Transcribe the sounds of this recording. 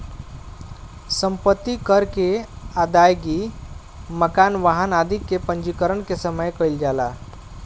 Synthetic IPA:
sə̃mpət̪ːikəɾkead̪ajɡi | məkanʋaɦənad̪ʱikːepə̃nd͡ʒikəɾənkesəməjkəild͡ʒala

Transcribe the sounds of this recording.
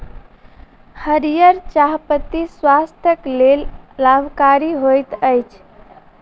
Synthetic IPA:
həɾijəɾt͡ʃaɦpət̪iswast̪ʰjəklelːabʱkaɾiɦojt̪əjt͡ʃʰ

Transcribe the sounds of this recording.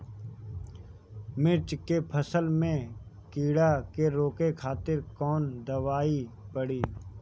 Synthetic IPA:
mɪt͡ʃkepʰəsəlmẽ | kiːɽakeɾoːkekʰaːt̪ɪɾkɔːnd̪ɐʋaːi | pəɽiː

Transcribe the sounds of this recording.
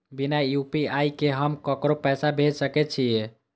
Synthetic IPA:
binajjupiajkeɦəmkəkɾopɛsabʱed͡ʒsəkɛt͡ʃʰije

